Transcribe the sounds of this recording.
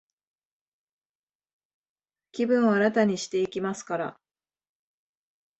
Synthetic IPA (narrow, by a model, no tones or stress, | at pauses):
kʲibɯ̟̃ɰ̃βaːɾat̪aɲ̟iɕi̥t̪e̞ikʲimasɨ̥kaɾa̰